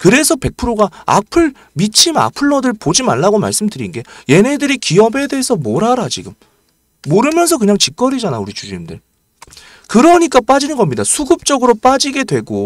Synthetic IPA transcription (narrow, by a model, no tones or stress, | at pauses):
kɯɾe̞sʰʌpe̞k̚pʰɯɾoɡaa̰pʰɯɭ | mit͡ɕʰima̰pʰɯɭːʌdɯɭpod͡ʑimaɭːaɡoma̰ɭs͈ɯmdɯɾinɡe̞je̞ne̞dɯɾikiʌbe̞de̞ːsʰʌmoɾaɾat͡ɕiɡɯmː | oɾɯmjʌnsʰʌk̬ɯɲaŋt͡ɕik̚k͈ʌɾid͡ʑanauɾit͡ɕud͡ʑiimdɯ̰ɭ | kɯɾʌɲik͈ap͈ad͡ʑinɯnɡʌmɲidasʰuɡɯp̚t͡ɕ͈ʌɡɯɾop͈ad͡ʑiɡe̞dwe̞ɡo